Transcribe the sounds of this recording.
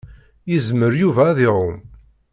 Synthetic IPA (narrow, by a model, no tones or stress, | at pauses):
jəzməɾjuvæðɪɾom